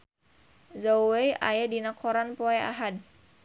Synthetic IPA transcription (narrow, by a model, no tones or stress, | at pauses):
zowejʔa̰jadinakʰɔɾanpɔɛa̰ɦad̚